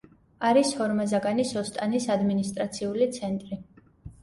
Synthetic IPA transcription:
aɾishɔɾmazaɡanisɔst̪ʼanisad̪minist̪ʼɾat̪sʰiulit̪sʰɛnt̪ʼɾi

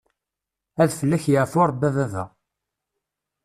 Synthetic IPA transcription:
æðfəlːæçjəʕfʊɾˤbæðæðæ̰

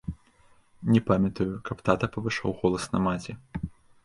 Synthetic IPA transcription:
nʲɛpamʲɐt̪ujukɐpt̪at̪ɐpɐvɨʂa̰wɣɔlˠɐsnɐmat͡sʲɛ

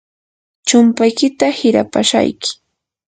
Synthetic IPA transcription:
t͡ʃʊmpajkɪt̪ahɪɾa̰pa̰ʃa̰jkɪ̥

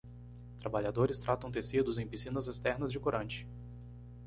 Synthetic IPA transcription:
t̪ɾabaʎad̪oɾɪst̪ɾʔat̪ɐ̃w̃t̪esid̪ʊzẽj̃pisĩnɐzɛst̪ɛɾnɐzd͡ʒɪkoɾɐ̃nt͡ʃɪ̥

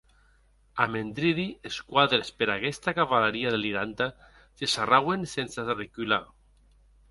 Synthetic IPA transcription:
amẽnd̪ɾiðieskwaðɾespeɾakest̪akaβalaɾiaðeliɾant̪a | sesarawensensarikyla̰

